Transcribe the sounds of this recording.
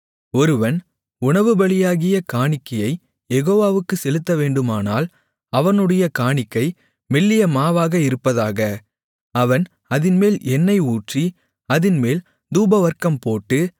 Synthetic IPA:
ɔɾɯʋɐn | ʊɳɐʋɯbɐɭɪjaːɣɪjɐkaːɳɪkːɐjɐɪ | jɛɣoːʋaːʋɯkːɯsɛlɯt̪ːɐʋeːɳɖɯmaːnaːl | ɐʋɐnɯɽɐjɐkaːɳɪkːɐɪ | mɛlːɪjɐmaːʋaːɣɐɪɾɯpːɐðaːɣɐ | ɐʋɐn | ɐðɪnmeːlɛnːɐɪuːʈri | ɐðɪnmeːl | d̪uːbɐʋɐɾkɐmpoːʈːɯ

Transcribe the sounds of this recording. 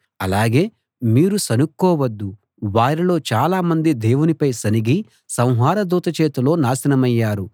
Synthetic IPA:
ɐlaːɡe̞ː | miːɾusɐnukːɔːwɐd̪ːu | ʋaːɾilo̞ːt͡ʃaːlaːmɐnd̪id̪e̞ːwunipɐjsɐniɡi | sɐ̃w̃ɦaːɾɐd̪uːt̪ɐt͡ʃeːt̪ulo̞ːnaːsɐnɐmɐjːaːɾu

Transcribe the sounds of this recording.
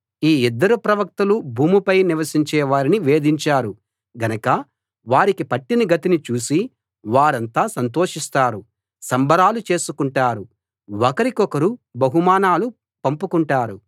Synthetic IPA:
iːid̪ːɐɾupɾɐʋɐk̚t̪ulubʱuːmupɐjniʋɐsiɲt͡ʃɛːʋaːɾiniʋe̞ːd̪iɲt͡ʃaːɾu | ɡɐnɐkɐ | ʋaːɾikipɐʈːiniɡɐt̪init͡ʃuːsi | ʋaːɾɐnt̪aːsɐnt̪̬oːʂist̪aːɾu | sɐmbʱɐɾaːlut͡ʃe̞ːsukuɳʈaːɾu | ɔkɐɾikɔkɐɾubɐɦumaːnaːlu | pɐmpukuɳʈaːɾu

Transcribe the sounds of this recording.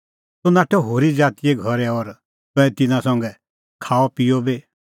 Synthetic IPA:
sonaːʈʰɛɦoːɾid͡zaːt̪ijeɡʱɐɾɛɔɾ | t̪ʊ̃ɛ̃t̪ɪnãsɐ̃ŋɡɛ | kʰaːɔpijɔbe

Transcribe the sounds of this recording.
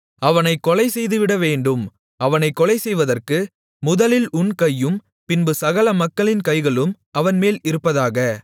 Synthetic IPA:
ɐʋɐnɐɪkːɔlɐɪsɛjðɯʋɪɽɐʋeːɳɖɯm | ɐʋɐnɐɪkːɔlɐɪsɛjʋɐðɐrkɯ | mʊðɐlɪlʊnkɐjːɯm | pɪnbɯsɐɣɐlɐmɐkːɐɭɪnkɐɪɣɐɭɯm | ɐʋɐnmeːlɪɾɯpːɐðaːɣɐ

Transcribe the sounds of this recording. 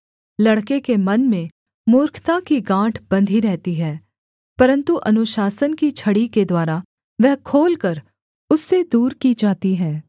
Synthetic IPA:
lɐɽkekemɐnmẽ | mʊːɾkʰt̪akiɡãːʈʰbɐ̃nd̪ʱiɾɛɦt̪iɦɛː | pɐɾə̃nt̪uʔɐnʊʃaːsənkit͡ʃʰɐɽiked̪waːɾa | ʋɛɦkʰoːlkɐɾ | ʊsːed̪uːɾkid͡ʒaːt̪iɦɛː

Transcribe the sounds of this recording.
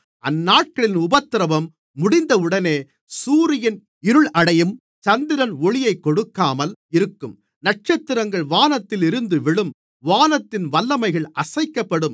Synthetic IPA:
ɐnːaːʈ̚kɐɭɪnʊbɐt̪ːɪɾɐʋɐmː | ʊɽɪnd̪ɐɯɽɐneː | suːɾɪjɐn | ɪɾɯɭʔɐɽɐjɯm | t͡ʃɐnd̪ɪɾɐnɔɭɪjɐɪkːɔɽɯkːaːmɐlɪɾɯkːɯm | nɐʈ̚t͡ʃɐt̪ːɪɾɐŋɡɐɭʋaːnɐt̪ːɪlɪɾɯnd̪ɯʋɪɭɯm | ʋaːnɐt̪ːɪnʋɐlːɐmɐɪɣɐɭʔɐsɐɪkːɐpːɐɽɯm

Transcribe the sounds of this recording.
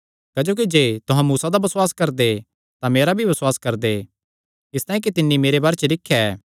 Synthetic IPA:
kːd͡ʒoːk̬id͡ʒeːt̪ʊɦãmuːsad̪abɐswaːskɐɾd̪e | t̪ãmeːɾabʱibɐswaːskɐɾd̪e | ɪst̪ãːɦj̃ẽk̬it̪ɪnːimeːɾebaːɾet͡ʃəlɪkʰːjaɛː

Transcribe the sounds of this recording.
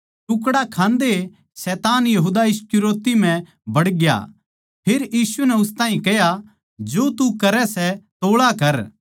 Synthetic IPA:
ʈʊk̬ɽakʰãːnd̪e | sɛːt̪aːnjɐɦuːd̪aɪskʊɾoːt̪im̤ɛ̃ | bɐɽɡja̰ | pʰeɾjiːsunɛʊst̪aːɦĩkɛɦja | d͡ʒoːt̪ukɐɾɛsɛt̪oːɭakɐɾ

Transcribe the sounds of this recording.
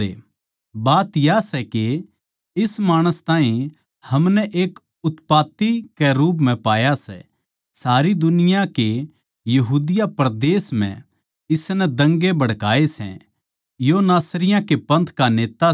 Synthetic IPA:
ḛ | baːt̪jasɛke | ɪsmaːɽ̃əst̪aːĩ | hɐmnɛʔeːk | ʊt̪paːt̪ikɛɾuːp̬mɛ̃paːjasɛ̰ | saːɾid̪ʊnɪjake | jɐɦuːd̪ɪjapɾd̪eːsm̤ɛ̰̃ | ɪsnɛd̪ɐ̃ŋɡebɐɽkaːesɛ̰̃ | jonaːsɾɪjãkepɐ̃nt̪ʰkaneːt̪a

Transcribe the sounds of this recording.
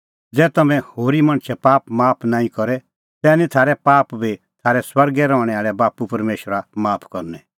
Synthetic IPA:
d͡zɛːt̪ɐmɛ̃hoːɾimɐ̃ɽ̃t͡ʃʰɛpaːpmaːpʰnaːĩkɔɾɛ | t̪ɛːnĩt̪ʰaːɾɛpaːpbʱi | t̪ʰaːɾɛswɐɾɡɛɾɔ̃ːɽ̃ɛaːɭɛbaːpupɐɾmeːʃəɾamaːpʰkɔɾnɛ

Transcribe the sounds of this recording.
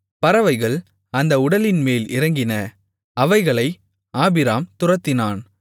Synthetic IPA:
pɐɾɐʋɐɪɣɐɭ | ɐnd̪ɐʊɽɐlɪnmeːlɪɾɐŋɡɪnɐ | ɐʋɐɪɣɐɭɐɪ | aːbɪɾaːmt̪ʊrɐt̪ːɪnaːn

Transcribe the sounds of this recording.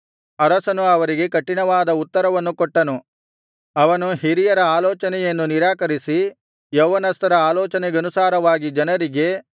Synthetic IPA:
ɐɾɐsɐnuɐʋɐɾiɡe̞kɐʈːiɳɐʋaːd̪ɐut̪ːɐɾɐʋɐnːukɔʈːɐnu | ɐʋɐnuɦiɾijɐɾɐaːlɔːt͡ʃɐnɛjɐnːuniɾaːkɐɾisi | jɐːʋɐnɐst̪ɐɾɐaːlɔːt͡ʃɐneɡɐnusaːɾɐʋaːɡid͡ʒɐnɐɾiɡe̞

